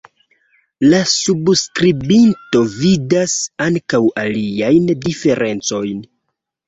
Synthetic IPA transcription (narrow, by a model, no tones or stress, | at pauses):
lasubskɾibinto̞vidasaŋkawaliajndife̞ɾʔe̞nt͡so̞jn